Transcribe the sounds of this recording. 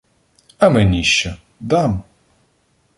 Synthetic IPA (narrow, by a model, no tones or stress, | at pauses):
ɐmenʲiʃt͡ʃɛ | d̪ɑm